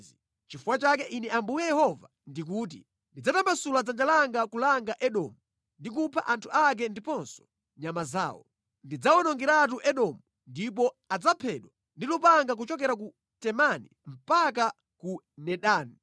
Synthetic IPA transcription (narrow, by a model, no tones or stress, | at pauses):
i | t͡ʃifuwat͡ʃakɛʔinɛambujɛjɛhɔva | ndik̬uːt̬ḭ | ndid͡zatambasulad͡zand͡ʒalaŋɡakulaŋɡaʔɛɗɔ̰mu | ndik̬upʰa̰ʔantʰuak̬ɛndipɔnsɔ̥ | ɲamaza̰ːwɔ | ndid͡zawɔnɔŋɡɛɾat̬uʔɛɗɔmu | ndip̬ɔ | ad͡zapʰɛɗwa | ndilupaŋɡak̬ut͡ʃɔk̬ɛɾak̬u | tɛmanim̩paka | ku | nɛɗaːni